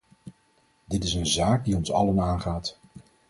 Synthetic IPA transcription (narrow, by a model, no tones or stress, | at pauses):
dɪtɪsənzaːɡ̚diɔnsɑ̰lənaːnχaːt